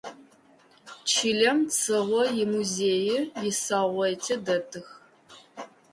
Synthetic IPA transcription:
t͡ʃʰiːɮɐmt͡sʰɐʁʷɔjɪmuzeːjɪjɪsaːʁʷɐtʰɐdɐtʰɨx

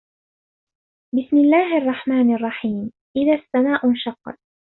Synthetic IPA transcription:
bɪsmɪlːaːɦʔɑrˤːɑħmaːnʔɑrˤːɑħiːm | ʔɪðaθːamaːʔʊnʃɑqːɑ̰t̪

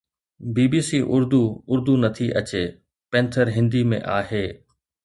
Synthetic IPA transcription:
biːbiːsiʔʊɾd̪uʊɾd̪unɐt̪ʰiʔɐt͡ɕe | pɛ̃ːnt̪ʰəɾɦɪ̃nd̪imḛ̃ʔaːheː

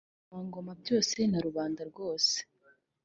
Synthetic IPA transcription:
waːŋɡo̞mabjo̞ːse̞naɾuβaːndaɾɡo̞ːse̥

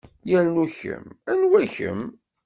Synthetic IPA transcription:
jælnuçə̰mænwæçə̰m

